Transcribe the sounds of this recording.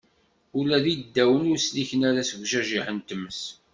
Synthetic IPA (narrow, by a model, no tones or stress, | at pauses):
ʊlæðid̪ːæwənʊɾsliçənæɾæsɡʒæʒiħənt̪əmːəs